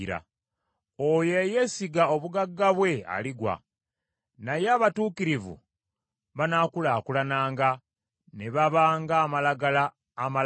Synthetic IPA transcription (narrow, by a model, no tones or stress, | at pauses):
ɾa̰ | oje̞je̞siɡao̞βuɡaɡːaβwe̞a̰liɡwa̰ | najeaβatuːkiɾivṵ | βanakulaːkulanaːŋɡa | ne̞βaβaːŋɡaːmalaɡalaː | ma